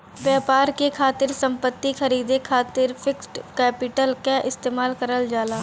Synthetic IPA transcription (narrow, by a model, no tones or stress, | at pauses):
ʋjaːpaːɾkekʰaːt̪ɪɾsɐ̃mpət̪ːixɐɾiːd̪ekʰaːt̪ɪɾfʰɪksʈkɛːpɪʈəlkaʔɪst̪eːmaːlkɐɾəld͡ʒaːlaː